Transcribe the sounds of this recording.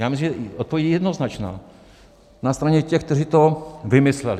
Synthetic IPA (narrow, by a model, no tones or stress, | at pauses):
jaːmɪs̬limʒɛʔot̪̚povjɛɟijɛdnoznat͡ʃna̰ː | nast̪ɾaɲɛcɛxk̚t̪ɛrit̪ovɪmɪslɛl